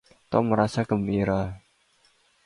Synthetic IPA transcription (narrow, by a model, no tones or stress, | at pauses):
t̪ɔ̰məɾasaɡ̥ə̤miɾa